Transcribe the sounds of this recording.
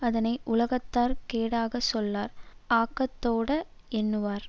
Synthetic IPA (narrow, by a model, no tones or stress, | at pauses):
ɐðɐnɐɪʔʊlɐɣɐt̪ːaːɾkeːɽaːɣɐsɔlːaːɾaːkːɐt̪ːoːɽɐ | ɛnːɯʋaːɾ